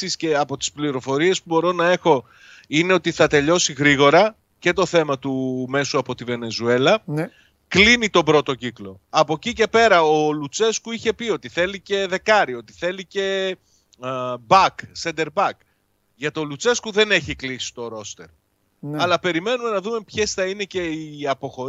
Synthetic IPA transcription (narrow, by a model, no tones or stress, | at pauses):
isceɐpo̞t̪i̥spliɾo̞fo̞ɾie̞spubo̞ɾo̞nɐe̞xo̞ | ine̞ot̪iθɐt̪e̞ʎo̞siɣɾiɣo̞ɾɐ | ce̞t̪o̞θe̞mɐt̪ume̞suɐpo̞t̪ive̞ne̞zue̞lɐ | klinit̪o̞bɾo̞t̪o̞ciklo̞ɐpo̞cice̞pe̞ɾɐo̞lut͡se̞skuiçe̞pio̞t̪iθe̞lice̞ðe̞kɐɾio̞t̪i̥θe̞lice̞ | bɐksend̪e̞ɾbɐk | ʝɐt̪o̞lut͡se̞skuðe̞ne̞çiklisi̥t̪o̞ɾo̞st̪e̞̰ɾ | ɐlɐpe̞ɾime̞nume̞nɐðume̞pçe̞sθɐine̞ce̞iɐpo̞xo̞